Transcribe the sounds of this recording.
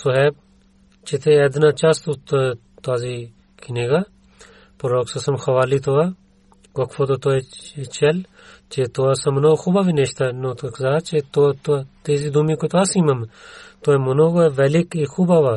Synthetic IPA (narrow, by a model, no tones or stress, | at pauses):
soɦeb̚ | t͡ʃet̪ʰeɛd̪nat͡ʃast̪ut̪o | t̪aːzi | kʰineɡa | pɾoːksɐsɐmxɐʋaːlit̪oa | kɐkfʰot̪ot̪oet͡ʃɐl | t͡ʃet̪oasɐmnoːxubaʋineʃt̪anoːt̪ɐkzaːt͡ʃet̪ot̪t̪eːziːd̪umikot̪oaːsiːmɐmt̪oːemɐnoːɡoʋɛlikixubaʋa